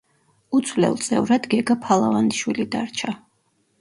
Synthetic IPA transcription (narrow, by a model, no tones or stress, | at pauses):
ut̪sʰwvlɛ̰lˠt̪sʼɛ̰vɾad̪ɡɛɡapʰalˠavand̪iʃwilid̪aɾt͡ʃʰa